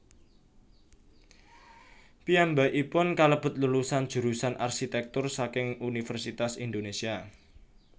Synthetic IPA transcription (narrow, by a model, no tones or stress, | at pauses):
piambaʔipʊnkaləb̥ʊ̤t̪̚lulusan̥ʒ̥ṳɾusanʔa̰rʃit̪ɛk̚t̪ʊrsakɪŋunifərsit̪asind̪onesia